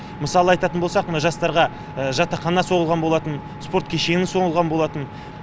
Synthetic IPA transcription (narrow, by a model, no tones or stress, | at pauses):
məsɑlˠəɑjt̪ɑt̪ənbo̞lˠsɑq̪ʒɑst̪ɑɾʁɑ | əʒɑt̪ɑqʰɑnɑso̞ʁəlˠʁɑnbo̞lˠɑt̪ən | spo̞ɾt̪kʲʰeʃe̞nɪso̞ɴəlˠʁɑnbo̞lˠɑt̪ən